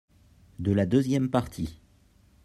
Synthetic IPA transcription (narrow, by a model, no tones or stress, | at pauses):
d̪əlad̪øzjɛmpaʁt̪ʰi